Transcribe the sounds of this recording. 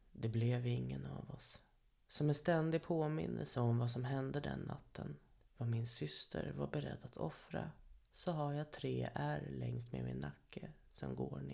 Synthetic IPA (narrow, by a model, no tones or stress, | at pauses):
d̪ɛblɛvɪŋːənavɔsː | ɔmɛnst̪ɛnd̪ɪpʰoːmɪnːə̰lsəɔmvas̬ɔmɦɛnd̪əd̪ɛnːat̪ʰːən | vamɪnsʏst̪ʰəɾvaɾbɛɾɛd̪ːat̪ʰɔfɾasɔɦaɾjat̪ʰɾeːʔæɾlɛŋst̪mḛːmɪnːakʰːə | sɔmɡoːɳɪ